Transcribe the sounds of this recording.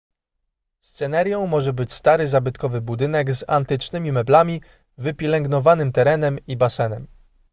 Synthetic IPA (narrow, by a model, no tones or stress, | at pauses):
st̪sɛnaɾʲjɔ̃w̃mɔʐɛbɘt͡ɕst̪aɾɘzabɘt̪kɔvɘbud̪ɘnɛɡza̰nt̪ɘt͡ʂnɘmʲimɛblamʲi | vɘpʲjɛlɛŋɡnɔvanɘmt̪ɛɾɛn̪ɛmibasɛnɛm